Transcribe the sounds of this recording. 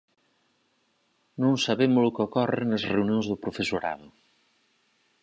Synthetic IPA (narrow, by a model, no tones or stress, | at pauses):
nõŋsaβemʊlʊkeokɔreḛnɐzreunijõnzðʊpɾʊfesoɾa̰ðʊ